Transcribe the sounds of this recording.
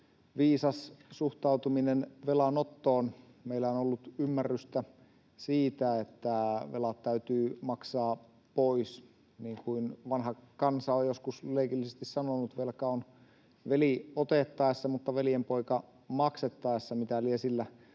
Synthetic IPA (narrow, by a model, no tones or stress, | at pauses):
ʋiːsɑssuht̪ɑut̪uminenʋelɑnot̪ːoːn | meilːæonolːut̪ymːærːyst̪æ | siːt̪æet̪ːæʋelɑt̪t̪æyt̪yːmɑksɑː | pois | niːŋkuinʋɑnhɑkɑnsɑojjoskusleikilːisest̪issɑnonut̪ʋelkæon | ʋeliot̪et̪ːɑesːɑmut̪ːɑʋelijempoikɑ | mɑkset̪ːɑesːɑmit̪æliesilːæ